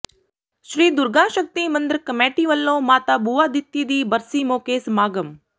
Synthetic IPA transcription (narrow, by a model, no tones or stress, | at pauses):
ʃɾiːd̪ʊɾɡãːʃək̚t̪imɐnd̪ɾəkɐmeːʈiʋəlːõːmaːt̪abuːʋaːd̪it̪ːid̪iːbɐɾsiːmoːkeːsmaːɡəm